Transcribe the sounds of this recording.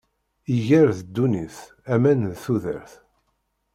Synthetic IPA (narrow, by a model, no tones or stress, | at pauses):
iʝæɾθəd̪ːuniθ | æmænðθuðə̰ɾθ